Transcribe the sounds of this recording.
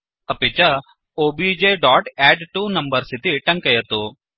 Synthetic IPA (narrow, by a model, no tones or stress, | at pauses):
ɐpit͡ʃɐ | oːbid͡ʒeːɖaːʈɛːɖʈunɐmbɐɾsit̪iʈɐŋkɐjɐt̪u